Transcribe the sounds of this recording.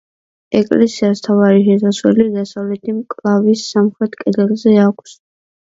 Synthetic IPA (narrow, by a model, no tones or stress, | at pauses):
ɛkʼlɛsiast̪ʰavaɾiʃɛsaswɛlid̪asavlɛt̪ʰimkʼlˠavisːamχɾɛt̪ʰkʼɛd̪ɛlˠzɛakʷʰs